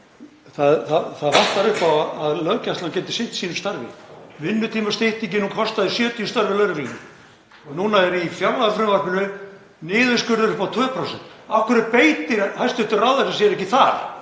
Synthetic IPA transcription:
θaðθaθaðvan̥t̪aɾʏhpawaaðlœːcast̪lancɛnt̪ɪ̥sɪn̥t̪siːnʏmst̪aɾvɪ̰vɪnːʏt̪ʰiːmast̪eht̪icɪnunkʰɔst̪aðɪsjœːt̪ʏːst̪aɾvɪlœːɾɪflinɪ | nuːnaɛɾifjawɾlaðʏfɾʏmvarpɪnʏ | nɪːðʏskʏɾðʏɾʏhpat̪ʰvœːpʰɾowsɛnt̪afkʰʏɾɪpejt̪ɪɾhajst̪ʏht̪ʏrawðasasjɛɾɛhcɪθaɾ̥

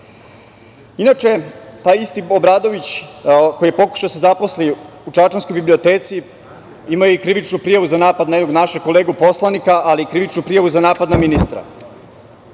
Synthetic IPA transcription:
inat͡ʃet̪aːjist̪iobɾaːd̪o̞ʋit͡ɕkojijepo̞ku̥ʃaosezapo̞sli | uʈ͡ʂat͡ʃansko̞jbiblio̞t̪e̞ːt̪si | imajuikɾiʋit͡ʃnupɾijaʋuzanaːpad̪najed̪oɡnaʃeko̞leːɡupo̞slˠanikaʔaliːkɾiʋit͡ʃnupɾijaʋuzanaːpad̪naminist̪ɾa̰

